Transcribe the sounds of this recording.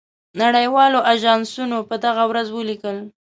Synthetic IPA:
naɽəjwɑloʔaʒɑnsunopəd̪aɣawɾazwəlikəl

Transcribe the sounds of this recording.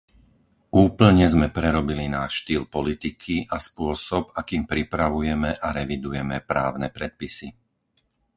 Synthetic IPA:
uːpl̩ɲɛzmɛpɾɛɾɔbilinaːʃʃt̪iːlpɔlit̪ikʰiʔaspʊɔsɔbakiːmpɾipɾaʋujɛmɛʔaɾɛʋid̪ujɛmɛpɾaːʊnɛpɾɛt̪̚pisi

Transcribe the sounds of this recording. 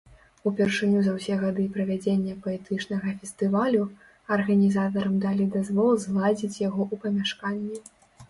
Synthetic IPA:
upʲɛrʂɨnʲuzɐwsʲɛɣad̪ɨpɾɐvʲad͡zʲenʲːɐpɐɛt̪ɨt͡ʂnɐɣɐfʲɛst̪ɨvalʲu | ɐrɣɐnʲizat̪̬ɐɾɐmd̪alʲid̪azvɔlˠzlˠad͡zʲit͡sʲjaɣɔʔupɐmʲaʂkanʲːɛ

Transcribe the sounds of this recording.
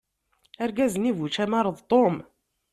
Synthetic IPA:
əɾɡæzənivut͡ʃæmɑɾˤəðˤt̪ˤom

